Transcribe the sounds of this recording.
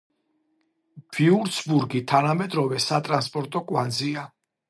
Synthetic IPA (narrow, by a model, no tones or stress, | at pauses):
b̥iuɾt̪sbuɾɡit̪ʰanamɛd̪ɾɔvɛsat̪ʼɾanspʼɔɾt̪ʼɔkʼwandzia